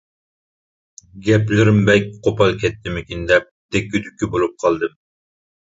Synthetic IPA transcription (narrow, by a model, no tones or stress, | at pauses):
ɡʲɛplɪɾɪmbɛk̚ʲqʰopɑlˠkʲʰɛt̪ːɪmɪkʲind̪ɛp̚d̪̥ɛkʲːyd̪ykʲʰːibolˠup̚qʰɑlˠd̪ɨm